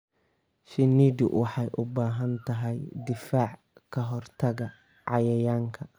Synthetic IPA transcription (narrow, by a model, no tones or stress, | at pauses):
ʃɪniːd̪ʊ̰wʔɑħɑjʔʊbaːɦɐnt̪ʰɐɦɛjd̪ɪfaːʕ | kʰɐɦɔrt̪ʰɐɣɐ | ʕɑjɐjaːŋkʰɐ